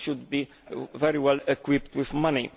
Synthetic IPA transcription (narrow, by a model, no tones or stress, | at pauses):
ʃʊd̪bi | vɛɾiwɛlɛkwɪpt̪wɪðmʌni